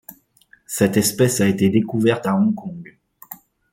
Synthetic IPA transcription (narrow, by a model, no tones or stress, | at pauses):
sɛt̪ɛspɛsaet̪ed̪ekuvɛʁt̪aɔ̃kɔ̃ɡ